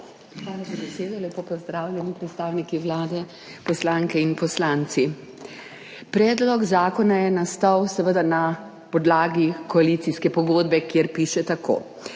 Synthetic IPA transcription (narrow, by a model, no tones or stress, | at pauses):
xʋaːlazabɛseːd̪ɔlʲɛpopɔzd̪ɾaːwlʲɛnipɾɛt̪st̪aːwnikiwlaːd̪ɛ | pɔslaːŋkɛinpɔslant̪si | pɾɛːd̪lɔɡzaːkɔnajɛnast̪awsɛʋəd̪ana | pɔd̪laːɡikɔalit̪siskɛpɔɡoːd̪bɛkjeɾpiːʃɛt̪akʰo̰ː